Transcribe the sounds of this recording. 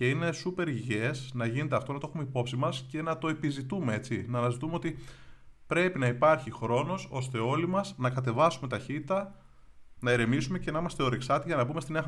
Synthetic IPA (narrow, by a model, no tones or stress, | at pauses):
ce̞ine̞supe̞ɾiʝe̞snɐʝine̞t̪e̞ɐft̪onɐt̪oxumeipo̞psimɐsce̞nɐt̪o̞e̞pizit̪ume̞e̞t͡sinɐːnɐzit̪umeot̪i | pɾe̞pinɐipɐɾçixɾo̞no̞so̞st̪e̞o̞limɐznɐkɐt̪e̞vɐsume̞t̪ɐçit̪it̪ɐ | nɐeɾe̞misume̞ce̞nɐimɐst̪e̞o̞ɾeksɐt̪iʝɐnɐbumest̪ineɐ